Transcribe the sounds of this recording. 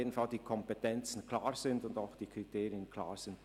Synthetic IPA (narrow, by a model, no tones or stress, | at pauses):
edn̩faldiːkʰɔmpeɛtɛnt͡sn̩kʰl̥aːʁz̥ɪndʊndaʊxd̥iːkʁ̥itʰeːʁɪənkʰl̥a̰ːʁz̥ɪnd